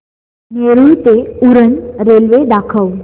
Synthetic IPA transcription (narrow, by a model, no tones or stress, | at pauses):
neɾujt̪euɾənɾelʋed̪akʰəw